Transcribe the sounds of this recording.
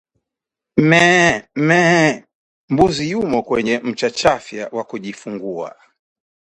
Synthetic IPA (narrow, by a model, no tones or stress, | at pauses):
m̩mɛmɛ | mbuzijumɔkwɛɲɛm̩t͡ʃat͡ʃafjawakuʄifuŋɡua̰